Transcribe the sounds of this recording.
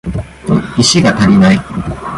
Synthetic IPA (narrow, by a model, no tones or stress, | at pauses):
t̪oiɕiɡat̪aɾʲinai